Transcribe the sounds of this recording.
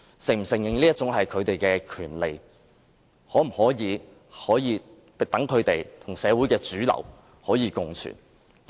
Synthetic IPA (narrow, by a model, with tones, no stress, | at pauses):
sɪ˨˩ŋm̩˨˩sɪ˨˩ŋjɪ˨˩ŋliː˥jɐ˥t̚t͡sʊ˨˥ŋɦɐ˨jkʰɵ˨˧ɥt̪e˨jkɛː˧kʰyː˨˩nle˨j | hɔː˨˥m̩˨˩hɔː˨˥jiː˨˧ | hɔː˨˥jiː˨˧ | pɪ˨˩t̪ɐ˨˥ŋkʰɵ˨˧ɥt̪e˨˩jt̪ʰʊ˨˩ŋsɛː˨˧wuː˨˥jkɛː˧t͡syː˨˥lɐ̰˨˩w | hɔː˨˥jiː˨˧kʊ˨ŋt͡sʰy̰˨˩n